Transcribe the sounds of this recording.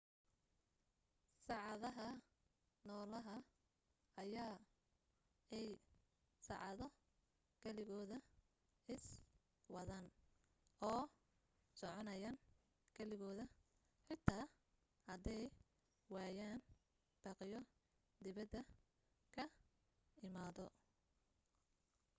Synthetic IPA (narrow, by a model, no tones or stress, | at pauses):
sɑʕɑðɐɦɐ | nɔːlɐɦɐ | ɐjaː | ɛj | sɑ̰ʕɑðɔ | kʰɐlɪɣɔːðɐ | ɪs | wɐðan | ɔː | sɔʕɔnɐjaːn | kʰɐlɪɣɔːðɐ | ħɪt̪ʰaː | hɐd̪ɛj | waːjaːn | b̥ɑːqɪjɔ | d̪ɪβɐd̪ɐ | kʰɐ | ɪmaːðɔ